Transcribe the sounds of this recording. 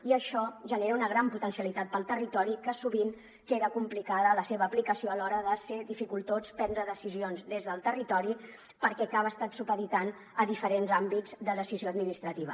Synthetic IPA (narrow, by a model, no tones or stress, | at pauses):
iəʃɔʒəneɾəunəɣ̞ɾamput̪ənsiəlit̪at̪̚pəlˠt̪ərit̪ɔɾikəsuβiŋ | keðəkumplikaðələseβəːplikəsioəlɔɾəðəseðifikulˠt̪ot͡spɛnd̪ɾəðəsizionzd̪ezðəlˠt̪ərit̪ɔɾi | pəɾkɛkaβəːst̪at̪supəðit̪an | əðifəɾenzambid͡zd̪əðəsizioəd̪minist̪ɾət̪iβə̰